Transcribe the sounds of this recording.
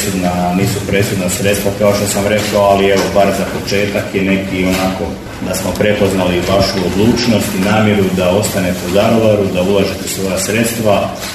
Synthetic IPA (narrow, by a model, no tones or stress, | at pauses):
sud̪naniːsupɾe̞sud̪nasɾe̞t̪st̪ʋakao̞ʃt̪o̞samɾe̞koalie̞ʋo̞baɾzapo̞t͡ʃe̞ːt̪akjene̞ɡd̪io̞nako̞ | d̪asmo̞pɾe̞po̞znaliʋaʃuod̪lˠuːt͡ʃno̞st̪inaːmje̞ɾud̪ao̞st̪ane̞t̪euzaɡoʋaɾud̪aulaʒet̪e̥sʋo̞jasɾe̞t̪st̪ʋa